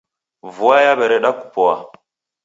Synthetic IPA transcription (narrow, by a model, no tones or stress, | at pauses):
vuwajaɓeɾeɗaku̥powa